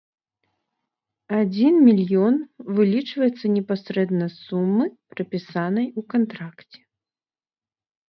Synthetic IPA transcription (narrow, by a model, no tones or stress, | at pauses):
ad͡zʲinmʲilʲjɔnvɨlʲit͡ʂvɐjɛt̪sːɐnʲɛpasɾɛd̪nɐsumːɨpɾɨpʲisanɐjukant̪ɾakt͡sʲɛ̥